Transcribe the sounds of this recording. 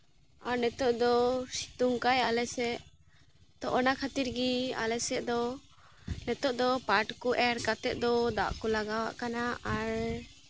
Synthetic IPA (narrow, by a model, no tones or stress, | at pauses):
aɾnɛt̪ɔʔd̪ɔsi̥t̪uŋkajalɛsɛʔ | t̪ɔʔɔnakʰat̪iɾɡia̰lɛsɛd̪ɔ | nɛt̪ɔʔd̪ɔpaʈkɔʔɛɾkat̪ɛt̪̚ˀd̪ɔd̪a̰ʔkɔlaɡawa̰ʔkanaʔaɾ